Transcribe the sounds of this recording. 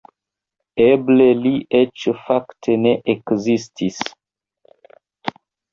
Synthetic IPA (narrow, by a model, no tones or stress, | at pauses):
ebleliʔet͡ʃfaktʰeneʔekzistʰis